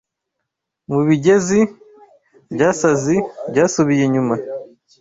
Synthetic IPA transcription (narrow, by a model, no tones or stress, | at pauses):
muβiɟe̞zi | bɟaːsazibɟaːsuβijeɲuma